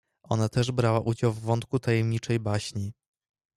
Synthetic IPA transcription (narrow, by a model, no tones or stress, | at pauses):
ʔɔ̰nat̪ɛʐbɾawaʔud͡ʑawvːɔnt̪kut̪ajɛmɲit͡ʂɛjbaɕɲi